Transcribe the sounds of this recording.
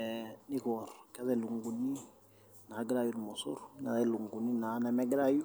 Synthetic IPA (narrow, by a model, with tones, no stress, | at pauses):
ni˦kɔɾka˦tɛ˦˨lu˨ŋɡu˨ni˦ | na˨˦ɡɾa˦˨ju˦n˨mɔ˨sṵ˦ɾna̰˨tɛ˦lu˨ŋɡu˨ni˦na˨na˨mɛ˦ɡɾa˦ju˦